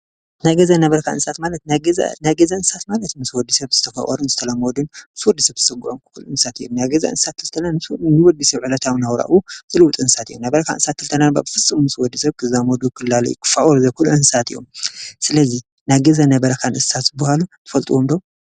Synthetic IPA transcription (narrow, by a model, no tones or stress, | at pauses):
najɡɐzanɐβɐɾɐkʰanɨnsat̪malɐt̪naɡ̰najɡɐzaɨnsat̪malɐt̪mɨswɔd̪isɐβzɨt̪ʰɐfɐ̰ʔʼɔ̰ɾunzɨt̪ʰɐlamɔd̪unmɨswɔd̪ːisɐβz̥ɨsɐɡuʔomkʰuluʔɨnsat̪ijomnajɡɐza̰ɨ̰nssat̪ʰːɨlt̪ʰɐnanɨsɨwɔd̪isɐβʕɨlɐt̪ʰawnawɾa̰ʔwuz̥ɨlɨwʊt̪ʼɨnsat̪ijomnabɐɾɐkʰanʔɨnsat̪ʰːɨlt̪ʰɐnanba̰bɨfɨsʼɨmmɨswɔd̪ːisɐβkʰɨzamɔd̪ukʰɨlːalɐ̰jṵkʰɨ̥faʔʼɔɾzɐkʰuluʔɨnsat̪ijo̰msɨlɐzi | najɡɐzanɐbɐɾɐkʰanʔɨssat̪zɨbɐhalut̪ʰɨ̥fɐlt̪ʼuwomd̪ow